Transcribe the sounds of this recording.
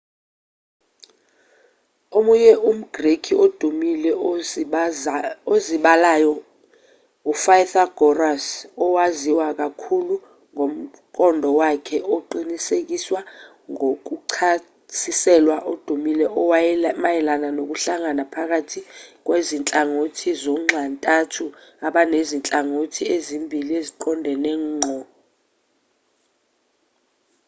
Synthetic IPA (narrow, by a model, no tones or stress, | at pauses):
omuɲɛʔum̩ɡ̥rekʰiod̥ʱumilɛ | oziɓalajɔ | ufajθaɡ̥ʱɔrasɔwaziwak̬ʼakʰulu | ŋʱom̩ | kʼɔndʱɔwakʰɛʔoǃinisek̬ʼiswa | ŋok̬uǃʰa | tʰisɛlwaʔod̥ʱumilɛɔmajɛlananok̬uɬaŋanapʰak̬atʰik̬wezint͡ɬʼaŋotʰizɔŋ͡ǁʱantʼatʰuaɓanezint͡ɬʼaŋotʰiezimbʱilieziǃʰɔndʱɛnɛːŋ͡ǃʱɔ